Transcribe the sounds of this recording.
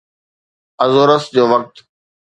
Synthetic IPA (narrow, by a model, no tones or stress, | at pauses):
əzoːɾəsd͡ʑoːʋɐk̚t̪